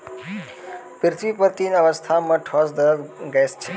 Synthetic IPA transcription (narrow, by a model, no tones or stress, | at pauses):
pɪɾt̪ʰʋiːpəɾt̪iːnɐʋəst̪ʰamɐ̃ʈʰɔsd̪əɡɛːst͡ʃʰe